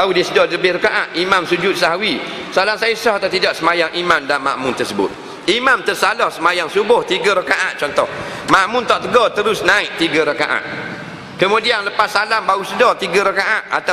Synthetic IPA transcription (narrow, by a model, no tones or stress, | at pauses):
baudisədɔləbɪhrəkaʔat̪̚ʔimamsud͡ʒʊt̪̚saɦawi | səalaŋsajəsɔht̪ət̪idɔʔsəmajaŋʔimandanma̰ʔmʊnt̪ərsəbʊ̰t̪̚ | imamt̪ərsalɔhsəmajaŋsubʊht̪iɡəɾəkaʔa̰t̪̚t͡ʃɔnt̪ɔh | maʔmʊnt̪ɔʔt̪əɡɔt̪əɾʊsnaiʔt̪iɡəɾəkaʔa̰t̪̚ | kəmudianləpasalambausədɔt̪iɡaɾəkaʔat̪̚ʔa̰t̪a